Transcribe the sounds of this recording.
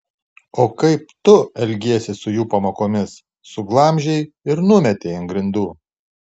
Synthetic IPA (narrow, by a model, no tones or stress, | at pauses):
oːkɐɪp̚t̪ʊɛlʲɡʲiɛsʲɪsʊjuːpɐmoːkoːmʲɪsː | ʊɡlˠɐmʲʒʲɛɪ | ɪɾnʊmʲɛt̪ʲeɪɪnɡɾʲɪnd̪uː